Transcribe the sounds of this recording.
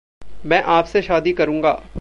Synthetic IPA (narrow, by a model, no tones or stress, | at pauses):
mɛ̃ːʔaːpseʃaːd̪ikɐɾũːŋɡaː